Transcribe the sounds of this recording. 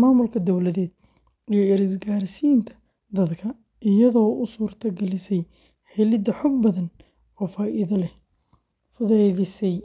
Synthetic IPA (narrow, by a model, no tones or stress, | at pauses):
maːmʊlkʰɐd̪ɔwlɐðɛːd̪̚ | ijɞɪɾɪsɡaːɾɪsiːnt̪ʰɐ̥ | d̪ɐd̪kʰɐ | ɪjɐðɔːʊsuːrt̪ʰɐɡɛlɪsɛj | ħɛlɪd̪ɐħɔɡ̚bɐðɐn | ɔːfaːʔɪðɐlɛ | fʊðɛjðɪsɛj